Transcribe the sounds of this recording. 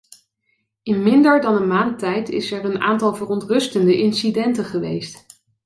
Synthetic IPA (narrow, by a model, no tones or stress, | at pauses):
ɪnmɪndəɹdɑnənmaːntɛjtɪ̰sɛɹəna̰ːntɑlˠvərɔntrɵstəndəʔɪnsidɛntəχəʋḛjst